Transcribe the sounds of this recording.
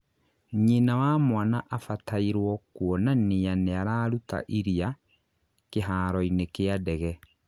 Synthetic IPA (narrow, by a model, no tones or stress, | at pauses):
ɲenawaːmwanaʔafataiɾwɔkuɔnanijaneaɾaːɾuta̰ʔiɾia | keɦaːɾɔinekeadɛɣɛ